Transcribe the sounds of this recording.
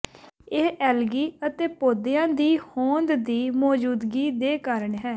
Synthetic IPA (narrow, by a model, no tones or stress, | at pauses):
eːʔɛːlɡiːət̪eːpoːd̪ejãːd̪iːhõːnd̪d̪iːmɔːd͡ʒuːd̪ɡiːd̪eːkəɾəɳɦɛː